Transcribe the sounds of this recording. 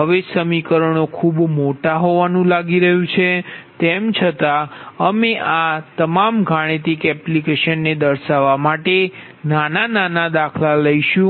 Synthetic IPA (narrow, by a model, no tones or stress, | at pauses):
ɦəʋesəmikəɾəɳ̃okʰubmoʈaɦoʋanũlaɡiɾəɦũt͡ʃʰet̪emt͡ʃʰət̪aəmeʔat̪əmamɡʱaɽ̃et̪ikɛplikeʃənːed̪əɾʃaʋamaʈe | nanananad̪akʰlaləiʃũ